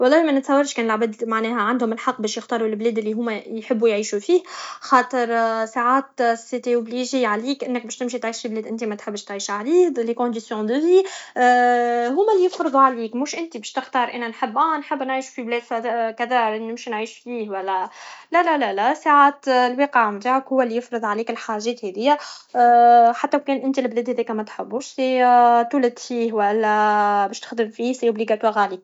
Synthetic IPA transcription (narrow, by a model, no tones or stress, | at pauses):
wɑlˤːɑːhimænɪt̪sɑwːɑɾˤʃkɛːnɪlʕabæd̪maʕnɛːhɛʕand̪hʊmɪlħɑqːbɛːʃjɪxt̪ɑːɾˤulblɛːd̪ɪlːiɦʊːmːæjħɪbːujʕiːʃufiːhxɑːt̪ˤəɾsaʕaːt̪sɪt̪eʔʊbliʒeʕaliːkʔɪnːək̚bɛːʃt̪ɪmʃ̬it̪ʕiːʃfiblɛːd̪ʔɪnt̪imæt̪ħɪbːəʃt̪ʕiːʃaʕɾiːd̪ˤlekõd̪isjɔ̃d̪əvi | ɦʊːmælijɪfɾɨd̪ˤuʕaliːkmʊːʃʔɪnt̪ibɛːʃt̪ɪxt̪ɑːɾˤʔænænħəbːʔæ̃nħɪbːnʕiːʃu̥fiblɛːd̪sækæd̪ɑɾnɪmʃinʕiːʃfiːhwælːælælælælæsaʕaːt̪lwiːqʕmt̪aːʕakhʊwːælijɪfɾɨd̪ˤʕaliːkɪlħaʒɛːt̪hɛðɪjːæ | ħat̪ːæwkɛːnʔɪnt̪ilblɛːd̪hɛðiːkæmæt̪ħɪbːuːʃset̪ulæd̪fiːhwælːæbɛːʃt̪ɪ̥xd̪əmfiːseʔʊbliɡæt̪wɑːɾali